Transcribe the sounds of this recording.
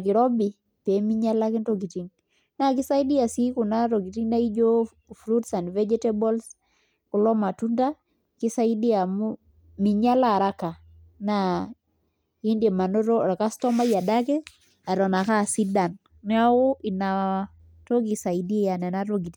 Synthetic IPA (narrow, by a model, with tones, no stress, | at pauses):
a˨kɪ˨ɾɔ˦bi˨ | pe˨˦mi˦ɲa˦la˦ki˦nto˦ɡi˨ti˦ŋ | na˦kɪ˦sa˦i˦di˦a˨si˦ku˨na˦ɾɔ˨ɡi˨ti˦ŋna˦i˦d͡ʒo˦ | fɾu˦tsa˨ndvɛ˦d͡ʒɛ˦tɛ˦bɔ˦ls | ku˨lɔ˦ma˨tu˦nda˦ | ki˦sa˦i˦di˦a˨mu˦ | mi˨ɲa˦la˦˨ɾa˦ka˨ | na˨ | i˦nde˨ma˨no˦ɾɔ˦ɾa˨ka˦stɔ˦ma˦ja˨da˦kɛ˦ | a˨ɾɔ˨na˨ka˦si˦da˨n | nɛ˦a˦o˦ʔi˨na˨ | to˦ɡi˨sa˨idi˦ja˨nɛ˨na˦ɾo˦ɡi˨ti˨